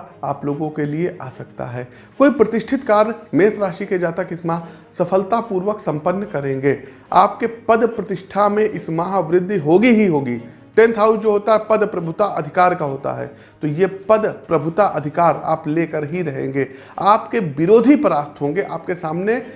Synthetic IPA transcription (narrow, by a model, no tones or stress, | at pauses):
aːploːɡõkelieʔaːsɐk̚t̪a̰ɦɛː | koːipɾɐt̪ɪʃʈʰɪt̪kaːɾəɳmeːt̪ɾaːʃiked͡ʒaːt̪akɪsmaːɦ | sɐfəlt̪apuːɾʋəksɐ̃mpənːkɐɾẽːŋɡeː | a̰ːpkepɐd̪pɾɐt̪ɪʃʈʰamẽʔɪsmaːɦʋɾɪd̪ʱːɦoːɡiɦiɦoːɡi | ʈẽːnt̪ʰɦaːʊsd͡ʒoːɦoːt̪aɦɛpɐd̪pɾɐbʱʊt̪aʔɐd̪ʱɪkaːɾkaɦoːt̪a̰ɦɛ̰ː | t̪ojepɐd̪pɾɐbʱʊt̪aʔɐd̪ʱɪkaːɾa̰ːpleːkəɾɦiɾɐɦḛ̃ːŋɡeː | aːpkeʋɪɾoːd̪ʱipəɾaːst̪ʰɦõːŋɡeʔaːpkesaːmne